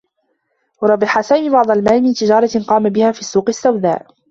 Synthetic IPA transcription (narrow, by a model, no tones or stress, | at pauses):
wɑɾˤɑbːɪħasaːmiːbɑʕd̪ˤɑlmaːmiːt̪ɪd͡ʒɑːɾˤɑqɑːmabɪhaːfiːsːuːqɪsːawd̪a̰ːʔ